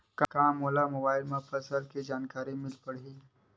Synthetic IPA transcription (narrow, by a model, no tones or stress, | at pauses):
kakaːmːoːlamobaːɪlmefʰɐsəlked͡ʒaːnkaːɾimɪlpɐɽiː